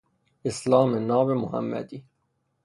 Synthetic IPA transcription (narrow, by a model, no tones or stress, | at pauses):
ɪslɑːmenɑːbemʊhæ̰mːæ̰d̪iː